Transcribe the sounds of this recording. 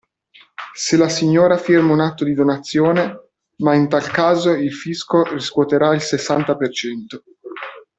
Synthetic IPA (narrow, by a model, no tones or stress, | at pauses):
selasiɲːoːɾafirmaunat̪ːod̪id̪onat̪sːjoːne | maint̪alkaːzoilfiskoriskwɔt̪eɾailsesːant̪apert͡ʃɛnt̪o